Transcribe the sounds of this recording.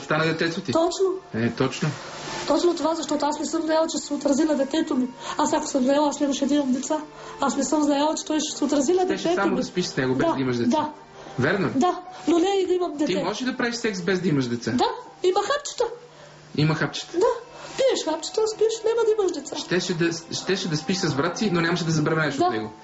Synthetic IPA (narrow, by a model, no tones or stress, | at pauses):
st̪anəd̪ɛt̪ɛt̪sot̪it̪ɔt͡ʃnoɛt̪ɔt͡ʃno | t̪ɔt͡ʃnot̪ovazɐʃt̪ɔt̪oasmɛsəmznɐjalˠt͡ʃɛsɛot̪ɾɐzinɐd̪ɛt̪ɛt̪omiasako̥səmznɐjalˠasnɛimɐʃɛd̪iməmd̪ɛt̪sa | asmɛsɤmznɐjalˠt͡ʃɛ̥t̪ɔjʃsɛot̪ɾɐzilnɐd̪ɛʃt̪ɛtsaomoɐspiʃsnɛɡoʊdbɛzad̪ɐimɐʃd̪ɛtd̪a | vʲɛɾnod̪anonɛid̪ɐimɐmd̪ɛt̪imɔʒɛʃd̪ɐpɾaviʃsɛksbɛzd̪ɐimɐʃd̪ɛt̪sad̪a | iməxapt͡ʃə̥t̪ə | imɐxapt͡ʃɐ̥t̪ə̥d̪apiɛʃxapt͡ʃə̥t̪əspiɛʃnʲamɐd̪ɐiməʃd̪ɛt̪saʃt̪ɛʃɛd̪ɐsʃt̪ɛʃɛd̪ɐspiʃsɐzbɾat̪sinonʲamɐʃɛd̪ɐzɐbɾɐvaɛʃod̪anɛ̰ɡo